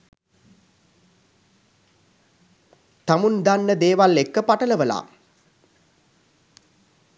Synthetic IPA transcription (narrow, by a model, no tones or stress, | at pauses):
t̪amund̪anːəd̪eːʋalekːəpaʈələʋəla̰ː